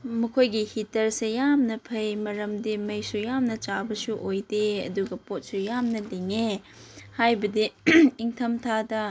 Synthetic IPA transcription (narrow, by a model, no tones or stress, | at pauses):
mɐkʰojɡihitɐɾsejamnɐpʰɐjmɐɾɐmdimɐjsujamnɐt͡ʃabɐsuʔojdeɐ̰duɡɐpot̚sujamnɐliŋe | hajbɐdiiŋtʰɐmtʰadɐ